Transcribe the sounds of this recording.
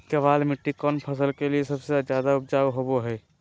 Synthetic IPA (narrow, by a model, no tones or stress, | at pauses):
kɐʋaːlmɪʈːikɔːnpʰɐsəlkeliesɐbsed͡ʒjaːd̪aʊp̚d͡ʒaːwɦoboɦɛː